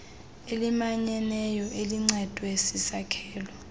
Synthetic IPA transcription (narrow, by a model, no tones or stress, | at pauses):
elimaɲɛnɛjɔʔeliŋ͡ǀɛd̥ʱwesisakʰɛːlɔ